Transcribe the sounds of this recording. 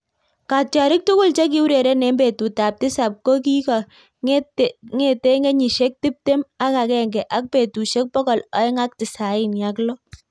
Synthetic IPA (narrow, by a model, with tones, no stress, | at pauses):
ka˨t͡ʃa˨ɾɪ˦k̚tʊ˦kʊ˦lt͡ʃe˦k̬i˦u˦ɾe˨ɾe˦nɛ˦mbe˨tu˨ta˨p̚tɪ˦sa˨p̚ko˦k̬i˦ka˨ | ŋe˨te˦ŋe˦ɲi˨ʃe˦k̚ti˦p̚te˦ma˦ka˨kɛ˨ŋɡɛ˨ʔa˦k̚pe˨tu˨ʃe˦k̚pɔ˦kɔ˨lɔ˨˦ɪ˦ŋa˦k̚tɪ˨sa˨ɪ˦nja˨˦klɔ˦